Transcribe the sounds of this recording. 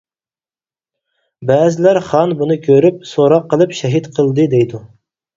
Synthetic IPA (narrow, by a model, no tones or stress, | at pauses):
bɛːzɪlæɾχɑnbunɨkʲʰøɾyp̚soɾɑqːəlˠɨpʃɛɦit̪qʰəlˠd̪ɨd̪ɛjd̪u